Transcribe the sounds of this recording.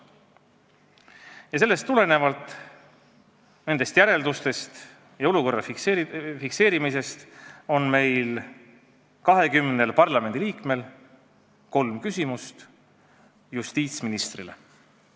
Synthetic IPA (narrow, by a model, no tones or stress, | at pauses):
jɑs̬e̞lːe̞st̪ːule̞ne̞vɑlt̪ˑ | ne̞nd̪e̞st̪jæɾe̞ld̪ust̪e̞st̪ | jɑo̞luko̞rːɑ | fikse̞ːɾimise̞st̪o̞nme̞jl | kɑɦe̞kymne̞lpɑrlɑme̞nd̪iliːkme̞l | ko̞lmkysimust̪ | just̪iːt̪sminist̪rile